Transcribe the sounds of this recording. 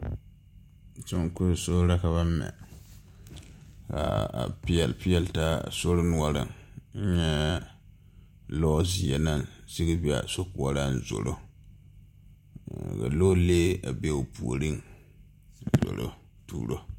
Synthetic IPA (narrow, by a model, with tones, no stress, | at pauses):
su˦ŋ˦kʊ˦ɾso˦ɾa˦ka˨βa˦ɛ̰˨ | ka̰˨a̰˨pi˦jɛ˨lpi˦jɛ˨lta˦˨so˦ɾɨ˦nu˨˦ɔ˦ɾɨ̰˨ŋn̩˦ɲɛ˦ | lɔ˦zi˨jɛ˨na˦ŋzi˦ɡɨ˦bi˨a̰˨so˦ku˨ɔ˨ɾa˦n̩˨zo̰˨ɾo˦ | ka̰˨lo˦leː˦a˨be˦o˨pu˨o˨ɾɨ˦ŋ˨ | zo̰˨ɾo̰˦ | tṵː˨ɾo˦